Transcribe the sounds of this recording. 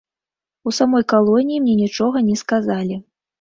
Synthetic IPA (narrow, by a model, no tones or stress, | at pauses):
usamɔjkalˠɔnʲijimnʲɛnʲit͡ʂɔɣɐnʲɛskazalʲi